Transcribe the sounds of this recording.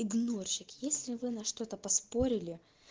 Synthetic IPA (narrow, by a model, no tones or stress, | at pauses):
ɪɡnorɕɪkjesʲlʲɪvɨnɐʂt̪o̞t̪əpɐspo̞ɾʲɪlʲɪ